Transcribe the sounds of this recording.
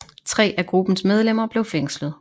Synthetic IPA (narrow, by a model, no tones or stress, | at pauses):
t͡sʰʁɛ̰ːʔæɡ̥ʁub̥n̩smeð̞ˠlem̰ɐb̥le̝ʊfeŋ̰slð̩ˠ